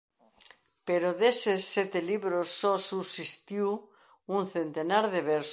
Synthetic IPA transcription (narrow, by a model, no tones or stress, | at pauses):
peɾoðesesːet̪eliβɾosːosusist̪juw | unθent̪enaɾðeβeɾs